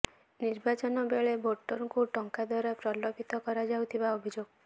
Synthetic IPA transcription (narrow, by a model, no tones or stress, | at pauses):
niɾbat͡ʃɔnɔbeɭeboʈːɔɾɔkuʈɔŋkad̪waɾapɾɔlɔpit̪ɔkɔɾad͡ʒawt̪ʰibaobʱid͡ʒoɡ